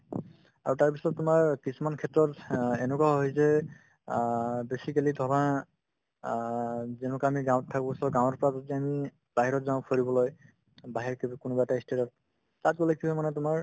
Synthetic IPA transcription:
a̰ɹutaɹp̬isɔtːʊmaɹkisumankʰɛtːɹɔtɛnɛkwaɦojzɛ | besikalidʱɔɹa | zɛnʊkaamiɡãwttʰːakɔsɔɡãwɔɹpɔɹazɔtiami | b̥aɦiɹɔtzaʊ̃pʰoɹibɔloj | baɦiɹkibkʊnɔbaɛtaistetɔt̚ | tat̚kolekʰisɔmanɛtʊmaɹ

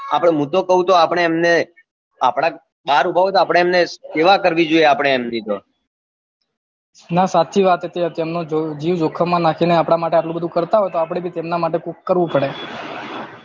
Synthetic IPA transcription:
a̰pɽ̃eɦũt̪okəɦũt̪oapəɽ̃eːmne | a̰pɽ̃a | ɓaɾubʱaʋot̪oapɽ̃eːmneseʋakəɾʋid͡ʒoieapəɽ̃eːmd̪id̪o | nasat̪ʰːiʋat̪et̪eɦət̪emnod͡ʒod͡ʒiʋd͡ʒokʰəmãnakʰineapɽ̃amaʈeaʈlũbəd̪ʱũkəɾt̪aɦojt̪oap̬ɽ̃ebʱit̪emnamaʈekukkːəɾʋũpəɽe

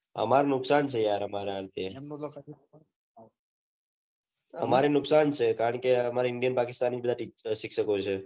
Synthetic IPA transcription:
ə̰maɾonʊksant͡ʃʰejaɾəmaɾeant̪ʰe | ə̰maɾenʊksant͡ʃʰekaɾəɳkeəmaɾeɪɳɖijənpakɪst̪anːid͡ʒbəd̪ʱaʈit͡ʃsikʰʃəkot͡ʃʰe

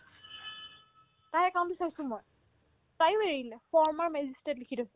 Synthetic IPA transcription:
tajɛkaw̃ndisaɹisʊ̃moj | tajʊeɹilɛfɔɹmaɹmɛzistɛtlikʰitdɔsɛ

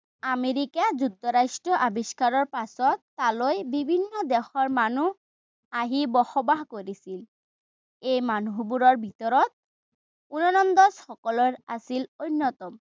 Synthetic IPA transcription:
ameɹikazuk̚tːɔɹasʈɹɔʔabiskaɹɔɹpasɔt̪ːalojbibʱinːɔd̪ɛxɔɹmanu | aɦibɔxɔbaɦkoɹisil | ejmanuɦbuɹɔɹbʱit̪ɔɹɔt̪̚ | unɔnɔnd̪ɔsxɔkɔlɔɹa̰silojnːɔt̪ɔm

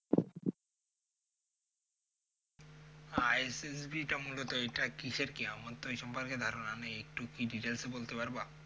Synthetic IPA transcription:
ajesesbiʈamulot̪oejʈakiʃeɾkiamot̪ːojʃɔmpoɾked̪ʱaɾonaneek̚ʈukiɖiʈelsebolt̪epaɾba

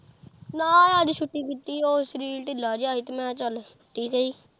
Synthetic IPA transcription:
naːad̪it͡ʃʰʊʈːiːkit̪ːiːoːsɾiːlʈɪlaːd͡ʒaːiːt̪ːmɛ̃t͡ʃəl | ʈːiːkəiː

